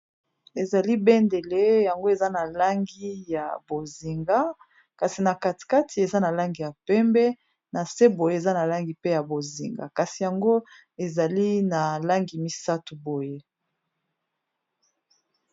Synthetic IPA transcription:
e˨za˨li˦bɛ˦nde˨le˦ja˨ŋɡo˦e˨za˦na˨la˦ŋɡi˦ja˨bo˨zi˨ŋɡa˦ | ka˨si˨na˨ka˨ti̥˨ka˦ti˨e˨za˦na˨la˦ŋɡi˨ja˨pɛ˦mbɛ˦ | na˨se˦bo˨je˦e˨za˦na˨la˦ŋɡi˨pe˦ja˨bo˨zi˨ŋɡa̰˨ka˨si˨ja˨ŋɡo˦ | e˨za˨li˦na˨la˦ŋɡi˨mi˦sa˦tu˨bo˨je˦

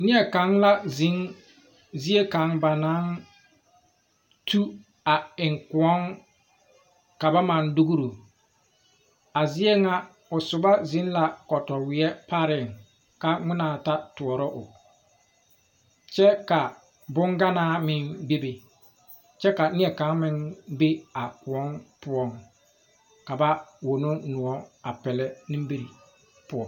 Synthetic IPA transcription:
nɪ˦ɛ˨ka˨˦ŋla˦zi˨˦ŋ | zi˦e˦ka˨˦ŋba˨naː˨˦ŋ | tʰu˦ | a˨ɪ˨ŋku˨ɔ˦ŋ | ka˨ba˦ma˨ndu˦ɡu˦ɾo˨ | a˨zɪ˦ɛ˦ŋa˦ | ʊ˨sʊ˨ba˦zɪ˨˦nla˨kɔ˨tɔ˨wɪ˨ɛ˦pa˦ɾɪ˨ŋ | ka˦ŋɪ˦naː˨ta˦tʊ˨ɔ˨ɾɔ˦ʔʊ̰˨ | t͡ʃɛ˦ka˨ | bʊ˦ŋɡa˦naː˦mɪ˦ŋbe˦be˨ | t͡ʃɛ˦ka˨nɪ˦ɛ˨ka˨˦mɪ˦ŋbe˦a˨wɔ˨˦npʊ˦ɔ˦ŋ | ka˨ba˦wo˨no˦nʊ˨ɔ˦a˨pɛ˨lɛ˦nɪ̃˦m˦bi˦ɾi˨ | pʊ˦ɔ˨

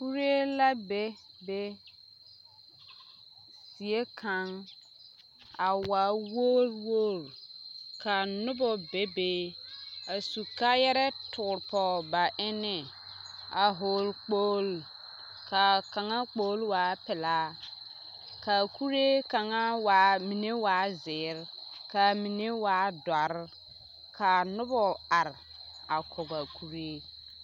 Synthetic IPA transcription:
ku˦ɾe˦la˦be˦be˦ | si˨e˦kʰa˨ŋ | a˨wa˨woː˦lwoː˦˨l | kʰa˨nʊ˦bɔ˨be˦beː˦a˨su˨ka˦jɛ˦ɾɛ˦tʰʊː˨ɾpɔ˨ba˨ʔɪ˦nɪ˨ | a˨ɦo˨lk͡poː˦l | ka˨ka˨ŋa˦k͡poː˦lwaː˨˦pɪ˨la˦ | ka˨ku˦ɾe˦ka˨ŋa˦wa˨˦mi˨ne˦waː˨˦zɪː˨˦ɾka˨mi˨ne˦waː˨˦dwa˨ɾ | kʰa˨nʊ˦bɔ˨a˨ɾ | a˨kʰɔ˨ɡa˨kʰu˦ɾe˦

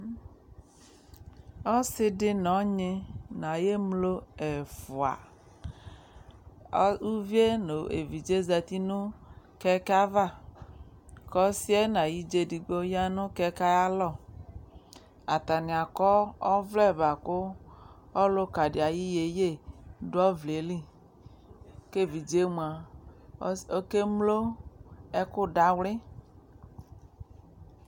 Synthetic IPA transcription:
ɔ˦sɪ˦dɪ˦nɔ˨˦ɲɪ˦nã˨je˦mlo˦ɛ˨fʊ˨a̰˨˦ | u˦vi˦e˦no˨ḛ˨vi˨d͡ʒe˦za˨t̪i˦nʊ̃˦ | kɛ˦ka˦va˦˨ | kɔ˦si˦ɛ˦nã˨ji˦d͡ʒe˦di˨ɡ͡bo˦ja˦nʊ̃˦kɛ˦ka˦ja˦lɔ˦˨ | a˨t̪a˨nĩ˨a˨kɔ˦ɔ˦vlɛ˦˨ba˨kʊ˦ | ɔ˦lʊ˦ka˨di˨a˨ji˦je˨je˦˨dɔ˦vle˨li˦ | ke˦˨vi˨d͡ʒe˦mũ˨a˨ | o˦ke˦mlo˦ | ɛ˦kʊ˦da˨wlɪ˦

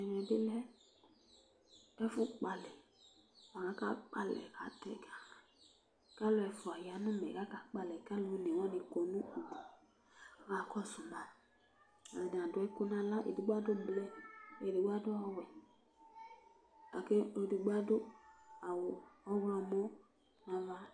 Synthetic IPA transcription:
ɛ˨nɛ̃˨dɪ˦lɛ˦ | ɛ˦fʊ˦k͡pa˨lɛ˨ | wa˨nã˦ka˦k͡pa˦lɛ̰˨ka̰˨tɛ˦˨ɡa˦˨ | ka˦lo˦ɛ˧fʊ˨a˨ja˨˦nũ˦mɛ̰̃˨ka˦ka˨˦k͡pa˦lɛ˨ka˦lu˨˦ne˨wa˦nĩ˧ko˨nũ˦u˨ɡu˨˦ | a˨kɔ˦su˨mã˨ | a˨n˨a˨dʊ˨˦ɛ˦ku˦nã˦la˦ʔḛ˨du˨ɡ͡ba˦do˦blɛ˦e˨di˨ɡ͡ba˦do˦a˦˨wɛ˨ | a˨ke˦o˧˨du˨ɡ͡ba˦do˦a˨wo˨ɔ˦wlɔ˧mo˦ | nã˨va˦

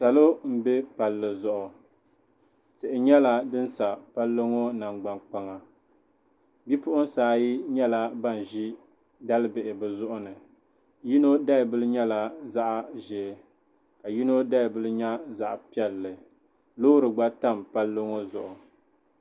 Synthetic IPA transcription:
sa˨lo˦m̩˨be˦pa˨lːɨ˨zʊ˨ʔʊ˨ | tɪ˨ʔɪ˨ɲɛ˦la˦dɨ˦n˦sa˨pa˦lːo˦ŋo˦na˨ŋɡ͡ba˨ŋk͡pa˨ŋa˨ | bi˦pʊ˦ʔʊ˦n̩˦saː˨ji˦ɲɛ˦la˦ba˦˨n˨ʒi˦ | da˦lɨ˦bɪ˨ʔɪ˨bɨ˨zʊ˦ʔʊ˦nɨ˨ | ji˦no˦da˦ɪ˨bɨ˦lɨ˦ɲɛ˦la˦za˦ʔa˨ʒɛ˨ | ka˨ji˦no˦da˦ɪ˨bɨ˦lɨ˦ɲa˦za˨ʔpi˦ɛ˦lːɨ˨ | loː˦ɾɨ˨ɡ͡ba˦ta˦˨mpa˦lːo˦ŋo˦zʊ˨ʔʊ˨

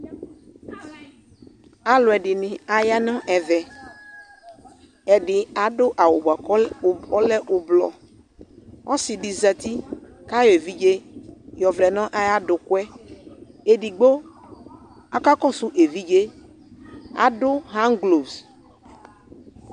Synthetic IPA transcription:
a˨lʊ˨ɛ˨ɖɪ˨nɪ̃˨a˨ja˦nɔ̃˦ʔɛ˨vɛ˨ | ɛ˨ɖɪ˨a˨ɖʊ˦ʔa˨wo˨ba˨˦˨ɔ˦lɛ˦ʔʊ˨blɔ̰˨ | wɔ˦si˨ɖi˨za˨t̪i˦ | ka˦jɔ˨e˨vi˦d͡ʒe˦jɔ˨vlɛ˨nɔ̃˦ʔa˦ja˦ɖʊ˨kʊ˦ɛ˦ | e˨ɖi˨ɡ͡bo˦ | a˨ka˦kɔ˦su˦ʔe˨vi˦d͡ʒe˦ | a̰˨ɖʊ˦ɦã˦ŋɡlo˨bs

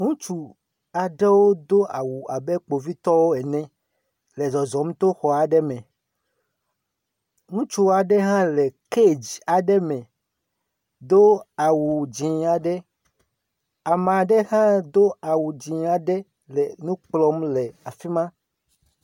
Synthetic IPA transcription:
ŋũ˦t͡ʃu˨ | a˨ɖɛ˦wo˦d̪o˦ʔa̰˨wu˨a˨bɛ˦k͡po˨vi˦t̪ɔ˦wo˦ɛ˨nɛ̃˦ | lɛ˨zɔ˨zɔ˨m˦t̪o˦xɔ˨a˨ɖɛ˦mɛ̃˨ | ŋũ˦t͡ʃu˦wa˨ɖɛ˦ɦã˦lɛ˨ke˦˨d͡ʑi˨a˨ɖɛ˦mɛ̃˨ | d̪o˦a˨wu˨d͡ʒĩ˨a˨ɖɛ˦ | a˨m˨a˨ɖɛ˦hã˦d̪o˦a˨wu˨d͡ʒĩ˨a˨ɖɛ˦ | lɛ˨nũ˦k͡plɔ˦mlɛ˨a˨fi˦mã˦

